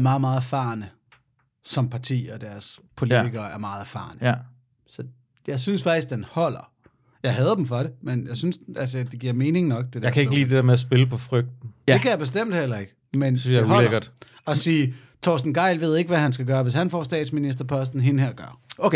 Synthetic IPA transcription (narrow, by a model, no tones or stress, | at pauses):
mɑ̈ːð̩ˠmɑ̈ːð̩ˠæɐfɑ̈ːnə | sɒ̽mpʰɑ̈t͡sʰḭːɒ̽d̥æɐspʰo̝lit͡siɡ̥ɐːæɐmɑ̈ːð̩ˠæɐfɑ̰̈ːnə | sɒ̽ | jɑ̈ɪsynsfɑ̈ɡ̥̚isɡ̥̚d̥enhɒ̽l̰ɐ | jɑ̈ɪɦɛðˠd̥em̩fɒ̽ɾe̝menjɑ̈ɪsynsælsəd̥e̝ɡ̥iɐ̰me̝ːne̝ŋnɒ̽ɡ̥̚d̥ed̥ejaɐkʰæe̝ɡəlḭːd̥e̝d̥ḛɐmeæs̬b̥e̝ləpʰɒ̽fʁœɡ̥̚d̥n̩de̝kʰæjab̥e̝sd̥em̰d̥hel̰ɐe̝ɡ̥ə | mensynsjaɒleɐɡ̥ɐd̥ɒ̽siː | t͡sʰɒ̰ːsd̥n̩ɡ̥ɑ̈ɪlʋe̝ð̞̰ˠe̝ɡ̥əʋæhænsɡ̥æɡ̥ɶːɐʋe̝shænfɒ̰sd̥ɛ̰ːd̥sminisd̥ɐpʰɒ̽sd̥n̩ɦe̝nəheɐɡ̥ɶɐ